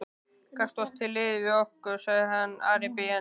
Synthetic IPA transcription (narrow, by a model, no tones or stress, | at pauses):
kʰar̥t̪ast̪ʰːɪlːɪðvɪohkʏɾsaɣðɪɦanːa̰ːɾɪpɪja